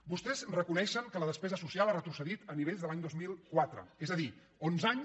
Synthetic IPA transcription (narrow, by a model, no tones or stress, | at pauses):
bust̪ɛzrəkunɛʃəŋkələð̞əspɛzəsusialˠarət̪ɾusəðit̪əniβeʎzðəlaɲd̪ozmilˠkwat̪ɾə̰ezəði | onzaɲ